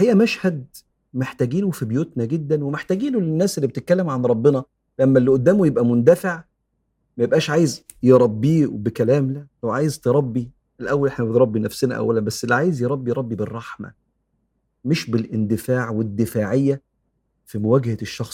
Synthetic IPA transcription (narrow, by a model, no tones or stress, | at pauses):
hejːʔæmæʃhæd̪̚ | meħt̪æːɡiːnufibejuːt̪næɡed̪ːænwemeħt̪æːɡiːnulenːæːsʔelːibet̪et̪̚kælːemʕanɾˤɑbːenɑ | læmːælːiʔod̪ːæːmujebʔæmond̪æfeʕ | mæjebʔæːʃʕaːjez | jeɾˤɑbːiːbekælæːmlææwʕaːjezt̪eɾˤɑbːi | elʔæwːælʔeħnæbet̪ɾˤɑbːinæfsenæʔæ̰wælænbæsːelːiʕaːjezjeɾˤɑbːijɾˤɑbːiberˤːɑħmæ̰ | meʃbelʔend̪ɪfaːʕwed̪ːɪfaːʕejːæ | fimowæːɡhæʃːɑxs